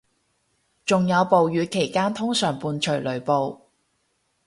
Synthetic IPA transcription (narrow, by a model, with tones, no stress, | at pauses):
t͡sʊ˨ŋjɐ˨˧wpo˨wjyː˨˧˥kʰe˨˩jkaː˥nt̪ʰʊ˥ŋsœː˨˩ŋpuː˧nt͡ʃʰɵ˨˩lɵ˨˩ɥpo˨w